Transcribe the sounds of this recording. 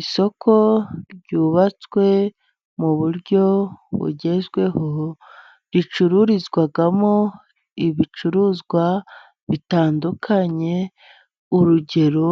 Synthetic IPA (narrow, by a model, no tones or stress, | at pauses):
iso̞kʰo̞ɟuːβat͡swe̞ | muβuɾɟo̞βṵɟe̞zɡwe̞ɦo | βjit͡ʃuɾuɾizɡwaɡamo | iβit͡ʃuɾuzɡwa | βitaːndukʰaɲe̞ | uɾuɟe̞ɾo